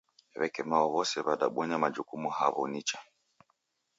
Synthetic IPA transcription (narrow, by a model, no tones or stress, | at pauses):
ɛβɛkɛmaɔβɔsɛβaɗa̰ɓwɔɲamad͡ʒukumuhaβɔnit͡ʃa